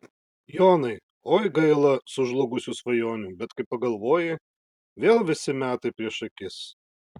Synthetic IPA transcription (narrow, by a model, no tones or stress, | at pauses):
joːnɐɪ | oːjɡɐɪlˠɐsʊʒlˠʊɡʊsʲusʋɐjoːnʲuːbʲɛt̪kɐɪpɐɡɐlˠʋoːjɪ | ʋʲeːlˠʋʲɪsʲɪmʲæːt̪ɐɪpʲɾʲiɛʃɐkʲɪs